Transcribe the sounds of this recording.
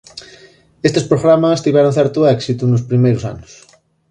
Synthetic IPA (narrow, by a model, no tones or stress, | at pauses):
est̪espɾoɣɾamast̪iβɛɾonθɛɾt̪uɛksit̪unospɾimejɾʊsa̰nʊs